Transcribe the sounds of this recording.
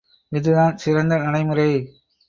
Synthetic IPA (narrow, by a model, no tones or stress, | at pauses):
ɪðɯðaːnsɪɾɐnd̪ɐnɐɽɐɪmɯɾɐɪ